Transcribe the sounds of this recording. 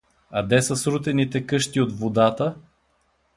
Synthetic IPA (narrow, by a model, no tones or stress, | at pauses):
ɐd̪ɛsəsɾut̪ɛnit̪ɛkɤʃt̪iot̪vod̪at̪ə